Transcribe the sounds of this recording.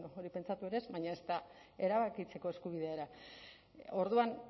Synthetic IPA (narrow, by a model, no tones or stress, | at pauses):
nooɾipe̞nt͡sat̪ueɾezβaɲae̞st̪ae̞ɾaβakit͡se̞ko̞e̞skuβ̞ið̞e̞aeɾa | o̞ɾðuan